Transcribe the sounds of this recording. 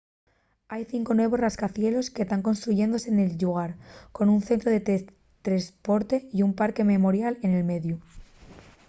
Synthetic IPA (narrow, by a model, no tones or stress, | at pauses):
ajθiŋko̞nwe̞β̞o̞sraskaθje̞lo̞ske̞st̪aŋko̞nst̪ɾuʝe̞nd̪o̞se̞ne̞lʎuɣ̞aɾko̞nun̟θe̞nt̪ɾoðe̞t̪ | t̪ɾespo̞ɾt̪e̞iumpaɾke̞me̞mo̞ɾjale̞ne̞lme̞ðju